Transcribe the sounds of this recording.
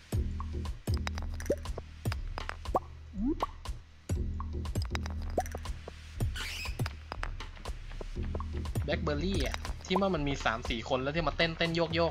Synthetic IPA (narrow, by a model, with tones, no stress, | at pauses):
bɛ˦˥k̚bɤː˧liː˥˩ʔa˨˩t̪ʰiː˥˩waː˥˩ma˧nmiː˧saː˩˦msiː˨˩kʰo˧nlːt̪ʰi˥˩ma˧nt̪e˥˩nt̪e˥˩njoː˥˩k̚jɔː˥˩